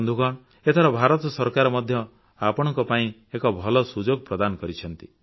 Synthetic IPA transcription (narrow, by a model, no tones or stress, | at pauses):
nd̪ʱukɔɽ | et̪ʰaɾɔbʱaɾɔt̪sɔɾkaɾɔmɔd̪ʱjɔ | apɔɽ̃ɔ̃ŋkɔpaĩ | ekɔbʱɔlɔsud͡ʒoɡ̚pɾɔd̪anɔkɔɾit͡ʃʰɔnt̪i